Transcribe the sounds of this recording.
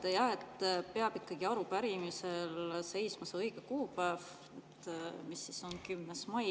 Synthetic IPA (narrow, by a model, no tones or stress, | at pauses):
t̪ejɑe̞t̪ːˑpeɑb̥ikːɑɡ̥iɑɾupæɾimise̞lse̞jsmɑseɤjɡ̥ekuːpæev | et̪ːˑmisːiso̞nkymːesmɑj